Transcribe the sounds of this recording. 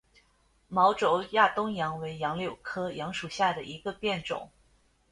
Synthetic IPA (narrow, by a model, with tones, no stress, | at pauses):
mɑ˧˥ʊʈ͡ʂo˧˥ʊja˥˩t̪ʊ˥ŋjɑ˧˥ŋwe˧˥ɪjɑ˧˥ŋljo˨˩ʊkʰɤ˥jɑ˧˥ŋʂu˨˩ɕja˥˩d̪ə˩ʔi˧˥ɡə˧pjɛ˥˩nʈ͡ʂʊ̰˨˩˦ŋ